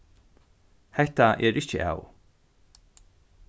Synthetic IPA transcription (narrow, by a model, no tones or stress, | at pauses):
hɛht̪aʔɛɾʔɪht͡ʃə̰ʔa̰ːw